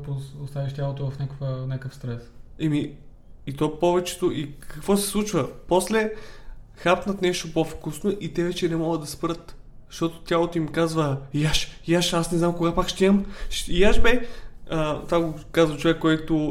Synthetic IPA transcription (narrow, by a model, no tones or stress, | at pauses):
poost̪avʲiʃt̪ʲjalˠot̪ʊvɐfnʲakvənʲakəfst̪ɾɛsɛmiː | t̪ɔpɔvɛt͡ʃɛ̥t̪ʊʔikʰɐkv̥ɔsɛ̥slˠut͡ʃvɐpɔslɛ | xapt̪nət̪nɛʃt̪opofkusnoʔit̪ɛvɛt͡ʃɛnɛmɔɡəd̪ɐspɾɤt̪ʃt̪ɔt̪ʊ̥t̪ʲjalˠot̪oimkazvəjaʃjaʃasnɛznamkoɡapakʃt̪iəmʃjaʃbɛət̪vaɡokazvɐt͡ʃovɛkːɔɛjt̪ʊ